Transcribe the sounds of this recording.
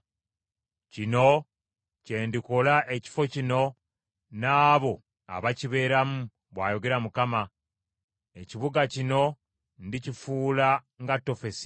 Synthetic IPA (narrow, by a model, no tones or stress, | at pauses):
cino̞ | ce̞ːndiko̞laʔe̞ci̥fo̞cino̞ | naːβo̞ | a̰βaciβe̞ːɾamu | βwaːjo̞ɡe̞ɾamukama | e̞ciβuɡacino̞ | ndicifuːla | ŋɡatːo̞fe̞si̥